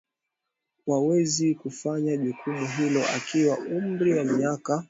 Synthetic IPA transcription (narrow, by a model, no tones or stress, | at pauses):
wawɛzikufaɲaʄukʰumuɦilɔʔa̰kiwaʔum̩bɾiwamiaka